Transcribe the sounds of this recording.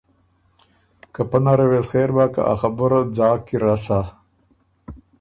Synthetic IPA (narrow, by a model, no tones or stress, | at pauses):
kapanaɾewesxeːɾbaka̰ʔa̰xabʊɾd͡zɑːkiɾasa